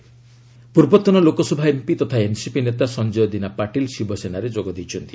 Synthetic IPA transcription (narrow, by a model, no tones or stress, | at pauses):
puɾbɔt̪ːɔnɔlokɔsɔbʱaempit̪ɔt̪ʰaensipinet̪asɔnd͡ʒɔjɔd̪inapaʈilsibʱɔsenaɾed͡ʒoɡɔd̪it͡ʃʰɔnt̪i̥